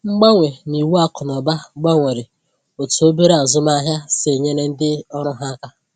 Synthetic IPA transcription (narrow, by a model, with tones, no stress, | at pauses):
ŋ͡m̩˦ɡ͡ba˦ŋʷe˨ni˨wu˦a˦kʊ˨nɔ˨ba˦ŋ͡mɡ͡ba˦ŋʷe˨ɾɪ˨ | o˨tu˨o˦be˦ɾe˦a˨zʊ˦ma˦ɦja˦se˨ɲe˦ne˦n̩˦dɪ˦ɔ˦ɾʊ˦ɦa˦ka˦